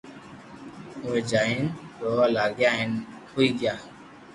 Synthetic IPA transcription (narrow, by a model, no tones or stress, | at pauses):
ʊẽːd͡ʒaːinɾoːlaːɡjaːɦɪnhuiːɡɪjaː